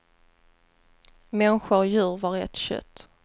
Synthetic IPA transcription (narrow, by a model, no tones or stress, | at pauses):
mɛnɧʊɾjʉ̟ːɾvɑɾɛ̰t̪ɕœ̰t̪ː